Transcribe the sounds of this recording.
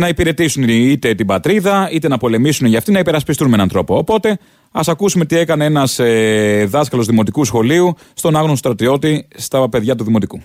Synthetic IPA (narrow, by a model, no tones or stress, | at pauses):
nɐipiɾe̞t̪isunit̪e̞t̪ibɐt̪ɾiðɐit̪enɐpo̞le̞misuneʝɐft̪inɐipe̞ɾɐspist̪unmenɐnt̪ɾo̞po̞ːpo̞t̪e̞ | ɐsɐkusume̞t̪ie̞kɐneenɐseðɐskɐlo̞zðimo̞t̪ikusxo̞liu | st̪o̞nɐɣnosost̪ɾɐt̪io̞t̪ist̪ɐpe̞ðʝɐt̪uðimot̪iku